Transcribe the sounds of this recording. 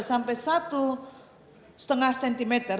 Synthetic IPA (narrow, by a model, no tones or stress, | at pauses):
sampɛsat̪u | sə̥t̪əŋahsɛnt̪imet̪ər